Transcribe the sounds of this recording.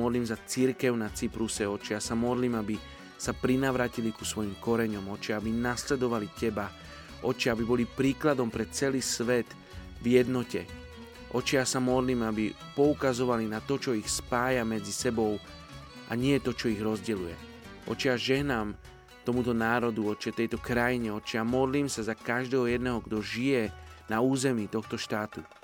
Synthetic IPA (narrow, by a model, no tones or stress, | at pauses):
ɔd̪liːmzat͡siɾkɛʊnat͡sipɾusɛɔt͡ʃijasamɔd̪liːmabi | sapɾinaʋɾaːcilikusʋɔjimkɔɾɛɲɔmɔt͡ʃiabinaslɛd̪ɔʋalicɛba | ʔɔt͡ʃiabibɔlipɾiːklad̪ɔmpɾɛt͡sɛliːsʋɛt̪ | vjɛd̪nɔcɛ̰ | ʔɔt͡ʃijasamɔd̪liːmabi | pɔukazɔʋalinat̪ɔt͡ʃɔixspaːjamɛd͡zisɛbɔʊ | ʔa̰ɲɪɛt̪ɔt͡ʃɔiɣɾɔzɟɛlujɛ̰ | ʔɔ̰t͡ʃiaʒɛɦnaːm | t̪ɔmut̪ɔnaːɾɔd̪uɔt͡ʃɛt̪ɛjt̪ɔkɾajiɲɛɔt͡ʃiamɔd̪liːmsazakaʒd̪ɛːɦɔjɛd̪nɛɦɔɡd̪ɔʒijɛnauːzɛmiːt̪ɔxt̪ɔʃt̪aːt̪u